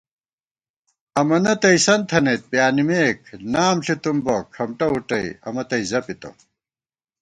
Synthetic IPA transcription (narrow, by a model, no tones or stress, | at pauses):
ɐmɐnɐt̪ɐisɐnt̪ʰɐnet̪̚pjaːnimeːkʰnaːmɬit̪umbokʰɐmʈɐuʈɐḭɐ̰mɐt̪ɐizɐpit̪o̰